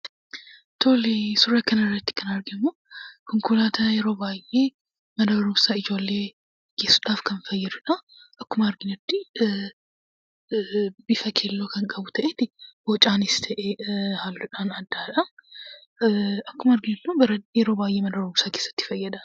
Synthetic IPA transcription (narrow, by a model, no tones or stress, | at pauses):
t̪ʰoːlisʊɾɐkɐnɪrːɐt̪ːɪ̥kɐnɐɾɡɪmːoːkʊŋkʊlaːt̪ʰɐjɛɾo̞ːbaːjʔːe̞ː | mɐnɐbɐɾuːmsaːɪd͡ʒo̞ːlːe̞ː | ɡ̥e̞ːsːʊᶑaːfkɐnfɐjːɐd̪ʊᶑɐ | ʔɐkːʊmɐɐɾɡɪnɐt̪ːɪ | bɪfɐkʰeːlːoːkɐŋkʼɐbʊt̪ɐʔeːt̪ɪwɔt͡ʃʼaːnɪst̪ʰɐʔɛhaːlːʊᶑaːnɐd̪ːaːᶑɐ | ɐkːʊmɐɾɡɪnɐd̪ubɐɾɐjɛɾo̞ːbaːjʔe̞ːmɐnɐbɐɾumsaːkeːsːɐ̥t̪ːɪ̥fɐjːɐd̪ɐ